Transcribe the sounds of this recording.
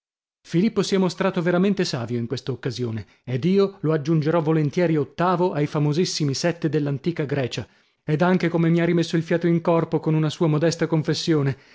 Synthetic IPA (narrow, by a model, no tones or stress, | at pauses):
filipːosiɛmost̪ɾaːt̪oveɾament̪esaːvjoiŋkwest̪aokːazjo̰ːneː | d̪iːoload͡ʒːund͡ʒeɾɔvolent̪jɛːɾiot̪ːaːvoʔajfamozisːimisɛt̪ːed̪elːant̪iːkaɡɾɛːt͡ʃa | ed̪aŋk̟ekomemiarːimesːoilfjaːt̪oiŋkɔrpokonunasuːamod̪ɛst̪akoɱfesːjoːne